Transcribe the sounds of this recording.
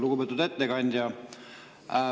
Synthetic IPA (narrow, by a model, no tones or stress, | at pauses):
luɡubeːt̪ud̪et̪ˑːekɑnʲd̪ʲjɑ